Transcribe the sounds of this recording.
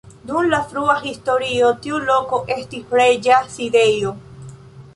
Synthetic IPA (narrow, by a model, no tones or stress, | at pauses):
d̪unlafɾuaxist̪oɾiot̪iulokoʔest̪ifɾed͡ʒasidejo